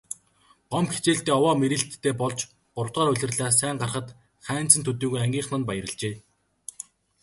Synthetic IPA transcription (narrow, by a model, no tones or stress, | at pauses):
ɢɔmpxet͡ɕeːɬt̪eːɔwɔːmeɾĭɬt̪ʰːeːpɔɮt͡ɕ | ɢʊr̥t̪ʁaːɾʊɮʲɪ̆rɮaːs̬æːɴɢarχə̆t̪ | χæːn̥t͡sɘ̆nt̪ʰɵt̪iːɣujæŋɡʲiːɴχnə̆npajə̆ɾə̆ɮt͡ɕeː